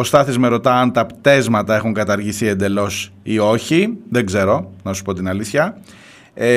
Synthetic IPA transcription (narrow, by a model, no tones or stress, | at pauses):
o̞st̪ɐθizmeɾo̞t̪ɐɐnt̪ɐpt̪e̞zmɐt̪ɐe̞xuŋkɐt̪ɐɾʝisie̞nd̪e̞lo̞s | io̞çiðeɡze̞ɾo̞nɐsu̥po̞t̪inɐliθçɐ | e